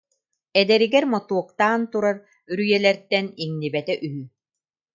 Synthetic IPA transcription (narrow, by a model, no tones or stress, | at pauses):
ɛd̪ɛɾiɡɛɾmɔt̪uɔqt̪aːnt̪uɾaɾ | yɾyjɛlɛɾt̪ɛniŋnibɛt̪ɛʔyɦy